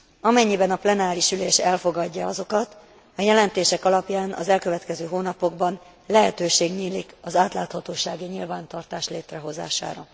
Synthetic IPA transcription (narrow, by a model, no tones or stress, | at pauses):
ɒmɛɲːibɛnɒplɛnaːɾiʃyleːʃɛlfo̞ɡɒɟːɒɒzo̞kɒt̪ | ɒjɛlɛnt̪eːʃɛkɒlɒpjaːnɒ̰zɛlkø̞vɛt̪kɛzøːɦoːnɒpo̞ɡbɒn | lɛɦɛt̪øːʃeːɡɲiːlikɒzaːt̪laːt̪hɒt̪oːʃaːɡiɲilvaːnt̪ɒrt̪aːʃleːt̪rɛɦo̞za̰ːʃa̰ːɾɒ